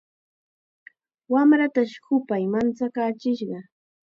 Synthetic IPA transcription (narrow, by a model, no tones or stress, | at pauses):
wamɾat̪aʃhʊpajmant͡sakaːt͡ʃɪʃɢɑ